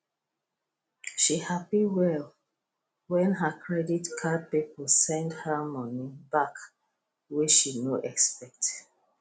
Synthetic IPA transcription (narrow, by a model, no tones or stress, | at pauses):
ʃihapiwɛl | wɛ̃nɦəkʰɹɛditkʰad̚pipɔsɛ̃ndhəmɔ̃nibak | wit͡ʃʃinoʔɛkspɛk̚t